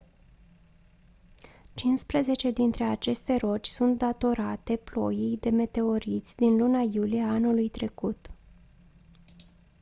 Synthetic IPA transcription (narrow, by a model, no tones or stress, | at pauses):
t͡ʃinspɾeze̞t͡ʃe̞d̪int̪ɾe̞at͡ʃe̞st̪e̞ɾo̞t͡ʃʲsunt̪̚d̪at̪o̞ɾat̪e̞plo̞jijd̪e̞me̞t̪e̞o̞ɾit̪sʲd̪inlunajulijeaanulujt̪ɾe̞kut̪